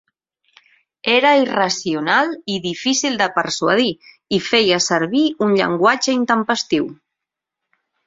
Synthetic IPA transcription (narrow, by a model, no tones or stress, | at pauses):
eɾəirasiunaliðifisilˠd̪əpəɾsua̰ð̞i | ifejəsəɾβiunʎə̰ŋɡwad͡ʒəint̪əmpəst̪iw